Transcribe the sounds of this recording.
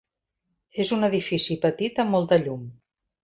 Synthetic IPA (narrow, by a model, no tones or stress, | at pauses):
ezunəðifisipət̪it̪əmːɔlˠt̪əʎum